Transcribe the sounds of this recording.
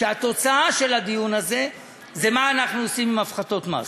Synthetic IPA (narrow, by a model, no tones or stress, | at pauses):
eat̪o̞t͡saaʃe̞lad̪ijunaze̞ | ze̞maːnaχnuosimimafχato̞t̪ma̰